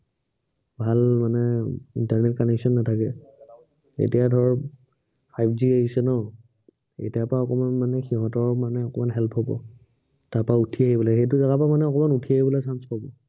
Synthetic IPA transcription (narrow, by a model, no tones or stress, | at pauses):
bʱalmanɛḭntaɹnɛt̚kɔnɛksɔnːatʰakɛ | ḛtijadʱɔɹɔ | pʰajpʰziaɦisɛnɔ | ḛtijapɹaɔkɔmanmanɛxiɦɔtɔɹmanɛɔkɔmanɦɛlpʰɦobɔ̰ | taɹpautʰiaɦibɔlaxejt̬uzaɡapamanɛɔkɔmanutʰijaɦibɔlasanspɔbɔ